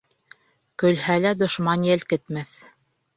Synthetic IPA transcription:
kɵ̆lhælæd̪ŏʃmɑnjɘlkɘ̆t̪mæθ

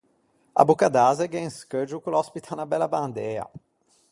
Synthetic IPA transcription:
ɐ̰bukad̪azɛɡẽskəd͡ʒukulɔspit̪ʰanɐbɛlɐbɐ̃nd̪eɾɐ̰

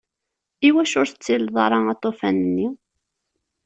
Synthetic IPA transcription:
iwæʃʊɾθət͡sːilðˤɑɾˤɑɑt̪ˤːofænənːi

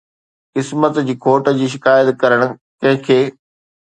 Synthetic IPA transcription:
kɪsmət̪d͡ʑiːkʰoːʈd͡ʑiːʃɪkaːjət̪kɐɾəɽ̃̆kɐ̃ɦɪ̃kʰeː

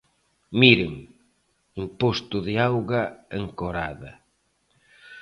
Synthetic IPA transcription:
miɾɪŋ | impost̪ʊðɪawɣaeŋkoɾa̰ðɐ̰

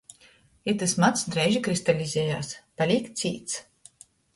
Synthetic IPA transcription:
iɾt̪asmat̪sd̪ɾɛjʒikɾist̪alʲizʲɛːjaːspalʲiːk̪siːt̪s

